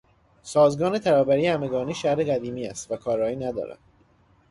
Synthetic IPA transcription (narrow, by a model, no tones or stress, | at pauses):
sɒːzɡɒːne̞t̪ʰæɾɒːbæɾiːhæmeɡɒːniːʃæhɾeɣæd̪iːmiːæst̪vækʰɒːɾɒːiːnæd̪ɒ̰ːɾæ̰nd̥̪